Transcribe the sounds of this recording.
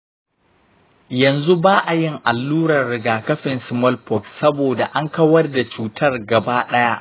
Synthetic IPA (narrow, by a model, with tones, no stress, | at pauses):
jɐ˨nzu˦baː˦ʔa˨jɪ˦ŋʔa˨lːuː˦ɽɐ˨rːɪ˨ɡaː˨kɐ˦ɸɪ˨nsɪ˨mɔ˦lpɔ˨ksɐ˦boː˨da˨ʔa˦ŋkɐ˦wɐ˦rda˨t͡ʃuː˨tʰɐ˦rɡɐ˨baː˦ɗɐ˦ja˦ʔ